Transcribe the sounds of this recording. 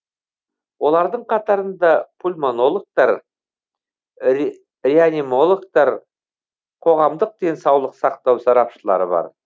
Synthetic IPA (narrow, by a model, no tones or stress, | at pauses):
wo̞lˠɑɾd̪əɴqʰɑt̪ɑɾənd̪ɑpʰulʲmono̞lˠok̚t̪ɑɾ | ɾeanimo̞lˠok̚t̪ɑɾ | qʰo̞ʁɑmd̪əq̚d̪e̞nsɑwlˠəqsɑqt̪ɑwsɑɾɑpʃəlˠɑ̰ɾə̰bɑ̰ɾ